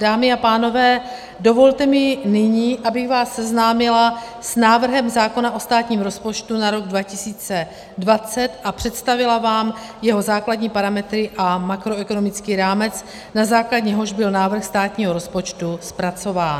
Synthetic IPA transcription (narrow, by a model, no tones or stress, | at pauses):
d̥aːmɪapaːno̞vɛː | do̞vo̞lt̪ɛmɪnɪɲiːʔabɪxɣvaːsːɛznaːmɪlasnaːvr̩ɦɛmzaːko̞naʔo̞st̪aːt̪ɲiːmɾo̞spo̞t͡ʃt̪unaɾo̞ɡdvacɪsiːt͡sɛ | dvat͡sɛt̪ʔapr̝̥ɛt̪st̪avɪlavaːm | jɛɦo̞zaːkladɲiːpaɾamɛt̪ɾɪʔamakɾo̞ɛko̞no̞mɪt͡skiːɾaːmɛt͡s | nazaːkladɲɛɦo̞ʒbɪlnaːvr̩xst̪aːt̪ɲiːɦo̞ɾo̞spo̞t͡ʃt̪uspɾat͡so̞vaːn